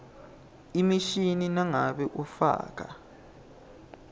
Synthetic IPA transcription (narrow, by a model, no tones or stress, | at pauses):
imiʃininaŋaɓɛʔufa̰ːk̬a̰